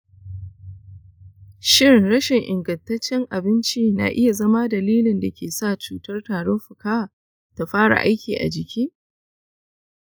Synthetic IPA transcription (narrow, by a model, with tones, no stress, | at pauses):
ʃɪ˦ɾɪ˨nɽɐ˦ʃɪ˨ŋʔɪ̰˨ŋɡɐ˨ntɐ˦t͡ʃːɛ˦ŋʔa˨bɪ˦nt͡ʃiː˦na̰˨ʔɪ˦ja˨zɐ˦ma˦dɐ˨liː˦lɪ˨nda˨kʲʰeː˨sa˦˨t͡ʃuː˨tɐ˦rtaː˨ɽɔ˦mɸʊ˨kaː˦a˨ | ta˨ɸaː˦ɽa̰˨ʔa̰˦jkʲiː˨ʔa̰˨d͡ʒɪ˨kʲiː˦